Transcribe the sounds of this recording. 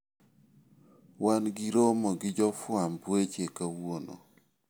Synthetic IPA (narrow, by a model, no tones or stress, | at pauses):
wanɡiɾomɔɡɪd͡ʒɔfwambwet͡ʃekawono̰